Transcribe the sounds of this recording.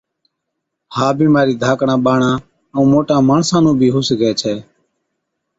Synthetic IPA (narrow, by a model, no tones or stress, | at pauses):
haːbiːmaːɾiːd̪ʱaːkɳãːɓaːɳãː | ũːmoːʈãːmaːɳsãːnũːbʱiːɦʊsɡɛːt͡ʃʰɛː